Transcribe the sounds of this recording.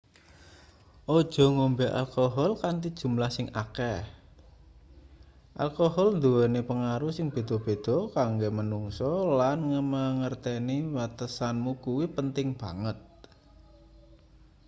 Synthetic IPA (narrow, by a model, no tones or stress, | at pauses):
ʔɔd̥ʒ̥ɔ̤ŋombɛʔa̰lkoɦɔlkant̪id̥ʒ̥ṳmlahsɪŋʔakɛh | ʔa̰lkoɦɔlnd̪uɛnepəŋaɾusɪŋb̥e̤d̪̥ɔ̤b̥e̤d̪̥ɔ̤kaŋɡemənuŋsɔlanŋəmaŋərt̪ɛniwat̪əsanmukuwipənt̪ɪŋb̥ä̤ŋət̪̚